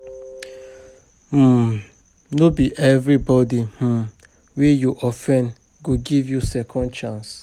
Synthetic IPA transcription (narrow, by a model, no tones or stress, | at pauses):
m̩ | nobiʔɛvɹibɔdih̩ | wejuʔɔfɛ̃n | ɡoɡivjusɛkʰɔ̃nt͡ʃãns